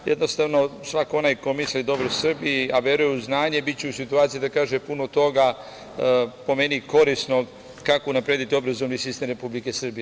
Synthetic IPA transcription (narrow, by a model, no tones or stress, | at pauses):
jed̪nost̪aʋno̞sʋakoo̞najko̞mislid̪o̞bɾosr̩bijiaʋjeɾujuznaːɲe̞bit̪t͡ɕeusit̪uaːt̪sijid̪akaːʒepunot̪o̞ɡa | po̞me̞niko̞ɾisno̞ | kakounapɾed̪it̪io̞bɾazoʋnisist̪emɾe̞publikesr̩bije